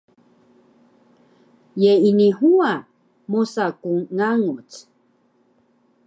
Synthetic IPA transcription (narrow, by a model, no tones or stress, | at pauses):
jeinihua | mosakuŋːaŋut͡s